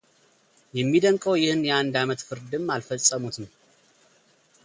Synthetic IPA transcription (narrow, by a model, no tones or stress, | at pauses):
jɛmːid̪əŋkʼəwjɪhɨnjɛand̪amət̪fɨɾd̪ɨmːalfəsʼːəmut̪nəw